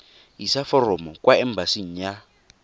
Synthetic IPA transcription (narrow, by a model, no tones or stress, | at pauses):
ɦisafɔrɔmɔkwaɛm̩basin̩ja